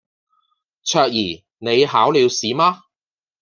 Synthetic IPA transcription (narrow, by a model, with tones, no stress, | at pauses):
t͡ʃʰœː˧k̚jiː˨˩ | ne˨˧jɦaː˨˥wliː˨˧wsiː˨˥maː˥